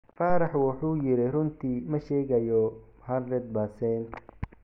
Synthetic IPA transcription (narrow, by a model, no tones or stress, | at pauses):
fɑːɾɑħwɑħuːjɪɾɪrʊnt̪ʰiːmɐʃɛːɣɐjɔhɐrɛd̪̚basɛnt̪